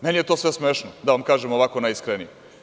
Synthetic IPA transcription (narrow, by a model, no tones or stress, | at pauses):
menijet̪o̞ːsʋesmeːʃnod̪aʋamkaːʒemoʋakonajiskɾenije